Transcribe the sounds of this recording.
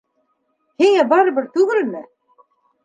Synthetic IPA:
hiŋæbɑɾɤ̆bɘɾt̪ʉɡɘlmɘ

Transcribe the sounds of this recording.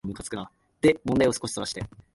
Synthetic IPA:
mɯ̟kat͡sɨ̥kɯ̟na | d̪̥emõ̞nd̪aio̞sɨ̥ko̞ɕi̥soɾaɕi̥t̪e̞̰

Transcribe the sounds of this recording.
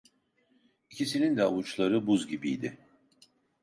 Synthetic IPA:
icʰisinind̪ɛalut͡ʃlˠaɾɯbuzɟibijd̪ɪ

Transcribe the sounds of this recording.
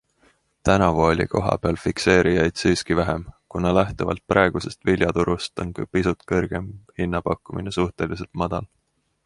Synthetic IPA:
t̪ænɑvuo̞lʲḭko̞ɦɑ̰peɑlfikse̞ːɾijɑjd̪̥siːskivæɦemkunɑlæht̪uvɑ̰lt̪̚prɑˑe̞ɡ̥use̞st̪vilʲjɑt̪uɾust̪o̞nkɑpisut̪kɤ̞rɡ̥e̞mhinːɑpɑkˑːumḭnesuht̪elis̬e̞lt̪mɑd̪̥ɑl

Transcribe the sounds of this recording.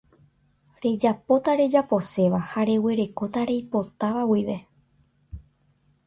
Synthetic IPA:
ɾe̞d͡ʒapo̞t̪aɾe̞d͡ʒapo̞se̞ʋahaɾe̞weɾe̞ko̞t̪aɾe̞jpo̞t̪aʋawiʋe̞

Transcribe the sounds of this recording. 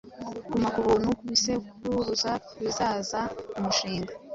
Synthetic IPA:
ɡumakuβuːnukuβiseuɾuzakβizaːzaumuʃiːŋɡa

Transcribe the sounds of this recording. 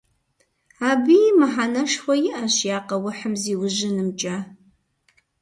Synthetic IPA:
aːbɨjmɨħanɐʂxʷɔjɪʔɐɕjaːqɐwʊħəmziːwʊʑɪnɨmt͡ʃʼa

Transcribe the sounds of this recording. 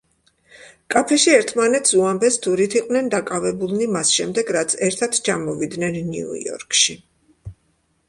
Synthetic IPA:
kʼapʰɛʃiɛɾt̪ʰmanɛt̪ʰsuambɛst̪ʰuɾit̪ʰiqʼwnɛnd̪akʼavɛbulˠnimasʃɛmd̪ɛɡɾat̪sʰɛɾt̪ʰat̪ʰt͡ʃʰamɔvid̪nɛnːḭṵɔ̰ɾkʼʃi

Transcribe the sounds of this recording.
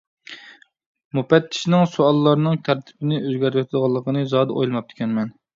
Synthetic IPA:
mupɛt̪ʰːɪ̥ʃnɪŋsuɑlˠːɑɾnɨŋt̪ʲʰæɾt̪ʰɪ̥bɪnɪøzɡʲæɾt̪wɛt̪ʰɪd̪əʁɑlˠːəqənɨzɑd̪ɨʔo̰jlˠɨmɑp̚t̪ʰɪ̥kʲʰɛnmɛn

